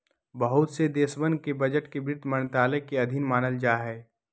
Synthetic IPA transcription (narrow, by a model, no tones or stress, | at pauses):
bəɦʊt̪sed̪eːsbən̚kebɐd͡ʒəʈkebɪɾt̪mənt̪aːlekeɐd̪ʱɪnmaːnəld͡ʒaːɦɛː